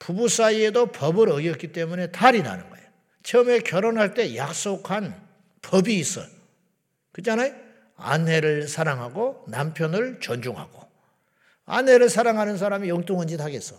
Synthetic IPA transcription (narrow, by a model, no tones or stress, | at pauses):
pubus͈aie̞dopʌbɯɾʌɡjʌt̚k͈it͈e̞mune̞taɾina̰nɯ̰nɡʌ̰ḛjo | t͡ɕʰʌmekjʌɾonɦaɭt͈e̞jak̚s͈okʰan | pʌbiːs͈ʌ̰ | kɯd͡ʑanaj | a̰nɦe̞ɾɯɭsʰaɾaŋɦaɡonampʰjʌnɯɭt͡ɕʌnd͡ʑuŋɦa̰ɡ̥o | a̰nɦe̞ɾɯɭsʰaɾaŋɦanɯns̬ʰaɾamijʌŋt͈oŋɯnd͡ʑitʰaɡe̞s͈ʌ